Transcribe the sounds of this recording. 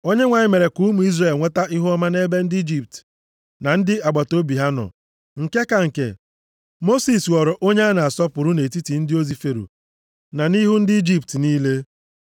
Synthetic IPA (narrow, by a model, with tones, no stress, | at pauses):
o˦ɲe˦ŋʷa˨ɲɪ˦me˨ɾe˨ku˦mu˨i˦zre˨lŋʷe˦ta˦ʔi˦ɦʊ˦ɔ˦ma˦ne˦be˦n̩˦dɪ˦i˦d͡ʒi˨p̚t | na˨n̩˦dɪ˦ʔa˨ɡ͡ba˨to˦bi˨ɦa˦nɔ̰˨ | ŋ̩˨ke˦ka˨ŋ̩˨kḛ˨ | mo˦si˨swɔ˨ɾɔ˨ʔo˦ɲe˦a˦na˨a˨sɔ˦pʊ˨ɾʊ˦ne˨ti˦ti˨n̩˦dɪ˦o˦zi˨fe˨ɾṵ˨ | na˨ni˦ɦʊ˦n̩˦dɪ˦i˦d͡ʒi˦ptniː˦le˦